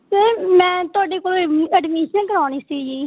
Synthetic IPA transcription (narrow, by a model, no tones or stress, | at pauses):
səɾmɛ̃ːt̪ʊaːɖeːkoːlɛːɖmeːʃənkəɾaːniːsiɡd͡ʒiː